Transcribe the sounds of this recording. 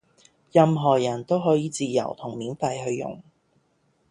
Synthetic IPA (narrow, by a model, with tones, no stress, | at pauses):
jɐ˨mɦɔː˨˩jɐ˨˩nt̪o˥wɦɔː˨˥jiː˨˧˥t͡siː˧jɐ̰˨˩wt̪ʰʊ˨˩ŋmiː˨˥nfɐ˧jɦɵ˧ɥjʊ̰˨˩ŋ